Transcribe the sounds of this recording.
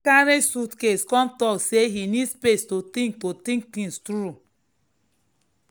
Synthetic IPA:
kaɾesutkeskɔ̃mtɔkseɦinidspestotĩŋk̚totĩŋk̚tĩnstɾu

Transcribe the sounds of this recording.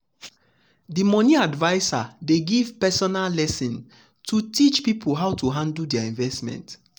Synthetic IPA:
dimɔ̃niadvaɪsa̰deɡiv̥pɛsɔnalːɛsĩn | tʰutit͡ʃpipʰulɦaʊtuɦãndl̩dɛaĩɱvɛstmɛ̰̃nt

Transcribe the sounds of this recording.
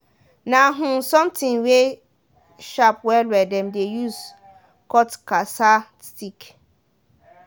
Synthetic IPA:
nãɦũsɔ̃mtʰĩŋwe | ʃap̚wɛlwɛdɛ̃mdejus | kɔtkasa | stik

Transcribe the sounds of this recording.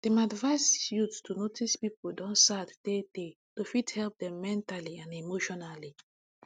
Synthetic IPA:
d̥ɛ̃madvaɪsjuttunotʰispipodɔ̃nsaddede | tofithɛlp̚dɛ̃mːɛ̃ntaliãnemoʃɔnali

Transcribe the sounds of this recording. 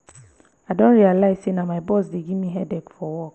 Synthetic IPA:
adɔ̃nɾialaɪsenãmãɪbɔsdeɡimĩɦɛdɛkfɔwɔk

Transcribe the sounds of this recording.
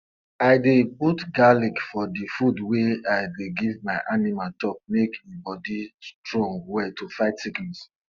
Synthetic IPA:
aɪdebutɡalikfɔdifudweaɪdeɡivmaɪʔanimatɔp̚mekʰebɔdistɹɔ̃ŋɡwɛtufaɪtsikĩns

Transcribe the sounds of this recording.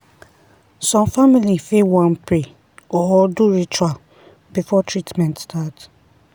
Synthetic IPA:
sɔ̃mfamilifewãnpe | ɔɔduɹit͡ʃual | b̥ifɔtʰɹitmɛ̃ntstat

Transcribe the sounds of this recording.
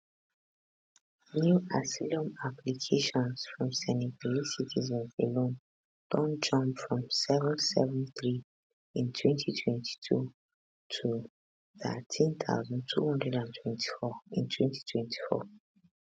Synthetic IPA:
njuasilɔ̃maplikʰeʃɔ̃nsfɹɔ̃msɛniɡalisitʰizɛ̃nselõn | d̥ɔ̃nd͡ʒɔ̃mpfɹɔ̃msɛvɔ̃nsɛ̰vɛ̃nθɹi | ĩntʰwɛ̃ntʰitʰwɛ̃ntʰi̥tʰṵ | tʰu | θə̰tʰĩnθʰa̰ʊzɔ̃nd̚tʰṵhɔ̃ndɹɛdãntʰwɛ̃ntʰi̥fɔĩntʰwɛ̃ntʰi̥tʰwɛ̃ntʰi̥fɔ̰

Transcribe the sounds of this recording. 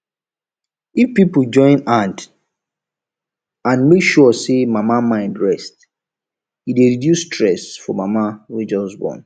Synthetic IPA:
ifpipl̩d͡ʒɔ̃ɪ̃nãnd | ãnmekʃuɔsemamamãɪ̃ndɹɛst | ideɹidjusːtʰɹɛsfɔmamawid͡ʒɔsbɔ̰n

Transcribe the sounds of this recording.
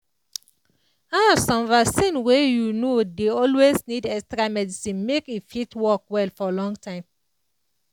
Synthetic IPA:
asɔ̃mvasĩnwejunodeɔlwesnidɛkstɹamɛdisĩnmekifitwɔk̚wɛlfɔlɔ̃ŋtãɪ̃m

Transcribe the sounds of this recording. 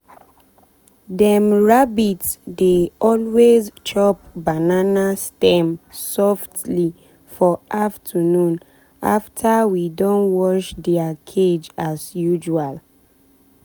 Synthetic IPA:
dɛmɹabitsdeɔlwezt͡ʃɔp̚bananastɛ̃msɔftli | fɔʔaftʰənũn | a̰ftʰawidõnwɔʃdɛakʰed͡ʒasjud͡ʒual

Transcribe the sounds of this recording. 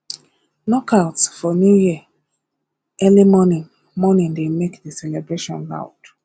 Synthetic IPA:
nɔkʰaʊtfɔnjuji | ɛlimɔnĩn | mɔnĩndemekdesɛlɛbɹeʃɔ̰̃nɹa̰ʊd

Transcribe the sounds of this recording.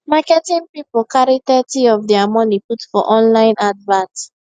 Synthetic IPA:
makɛtĩnpipkaɹitɛtiɔvdɛamɔniputfɔ̰ʔɔ̃nlãɪ̃nadvãt

